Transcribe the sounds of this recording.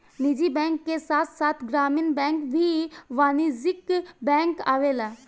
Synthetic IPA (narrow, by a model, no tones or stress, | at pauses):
nid͡ʒibɛ̃ːŋkːesaːt̪ʰsaːt̪ʰɡɾaːminbɛ̃ːŋkbʱiʋaːnizɪkbɛ̃ːŋkaːʋela